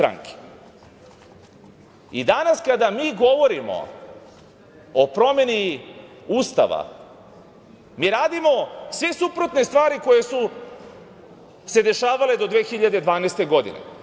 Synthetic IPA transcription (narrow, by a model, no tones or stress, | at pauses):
ɾa̰ŋke̥ | id̪anaskad̪amiːɡo̞ʋo̞ɾimo̞̰ | opɾo̞me̞ni | uːst̪a̰ʋa̰ | miːɾaːd̪imo̞sʋe̞supɾo̞t̪ne̞st̪ʋaːɾiko̞je̞su | se̞d̪e̞ʃaːʋale̞d̪o̞d̪ʋeːxiʎad̪ed̪ʋaːnejst̪e̞ɡo̞d̪ḭne̞̰